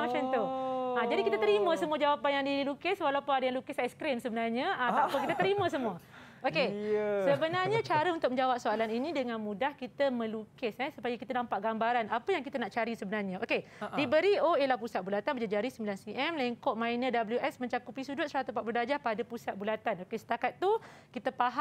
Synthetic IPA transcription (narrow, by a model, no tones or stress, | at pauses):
mat͡ʃant̪oad͡ʒadikit̪ət̪əɾimə̃səmũəd͡ʒawapanjaŋdilukɪswalaupʊnadəjaŋlukɪsaskɾɪmsəbənarɲəaapʊnkit̪ət̪əɾimə̃s̬əmuə | ʔokesəbənarɲə̃t͡ʃaɾəunt̪ʊk̚mə̃ɲd͡ʒawap̚soalaninĩdəŋãnmũdahkit̪əmə̃lukɪsɛsupajəkit̪ənãmpaʔɡambaɾanapəjaŋkit̪ənaʔt͡ʃaɾisəbənarɲãokedibəɾioelahpusat̪̚bulat̪anbəd͡ʒad͡ʒaɾisəmbilansiʔɛmlɛŋkɔʔmãjnədabəljuʔɛsmə̃ɲt͡ʃakupisudʊt̪səɾat̪upaʔpludad͡ʒahpadapusat̪̚bulat̪anokesə̥t̪akat̪ːu | kit̪əpaɦa